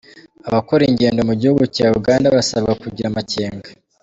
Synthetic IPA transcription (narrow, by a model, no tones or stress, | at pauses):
aβakuɾiɲɟe̞ːndo̞muɟihuɡucaːuɡaːndaβasaβɡakuɟiɾamace̞ːŋɡa